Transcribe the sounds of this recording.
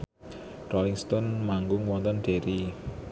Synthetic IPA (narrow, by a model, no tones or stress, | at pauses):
rɔiŋst̪ɔnmaŋɡʊŋwɔnt̪ənɖ̥e̤ɾi